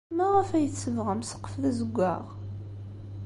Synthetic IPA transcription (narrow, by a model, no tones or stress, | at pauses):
mæʁəfæjəθsəvʁæmsə̥qːə̥fðæzəɡʷːæʁ